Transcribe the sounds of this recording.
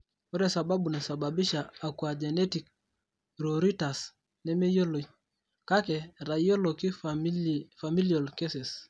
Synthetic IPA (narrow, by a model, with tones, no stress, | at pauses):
o˦ɾɛ˨sa˨ba˦bu˨nɛ˨sa˨babi˦ʃaː˨kwa˨d͡ʒe˨nɛ˦tik̚ | ɾoɾi˦ta˨s | nɛ˦me˦jo˦lo˨i | ka˦kɛ˨ɾa˨jo˦lo˨ki˦ | fami˦lio˨lke˦se˨s